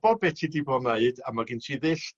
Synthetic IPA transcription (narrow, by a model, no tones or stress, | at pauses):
b̥ɔbɛtʰidibɔmneɨdamaɡɪntʰiðɨɬ